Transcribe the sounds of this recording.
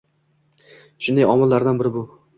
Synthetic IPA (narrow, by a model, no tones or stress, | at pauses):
ʃʊnd̪ajɒmɪlːaɾd̪anbɪɾɪbʊ